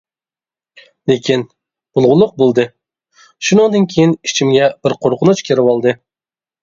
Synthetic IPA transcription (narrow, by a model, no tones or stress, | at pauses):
lekʲʰin | bʊlˠʁʊlˠʊq̚bolˠd̪ɨ | ʃunɨŋd̪ɨnkʲʰejinit͡ʃʰimɡʲɛb̥ɪɾqʰoɾqʰʊnut͡ʃkʲʰeɾɪwɑlˠd̪ɨ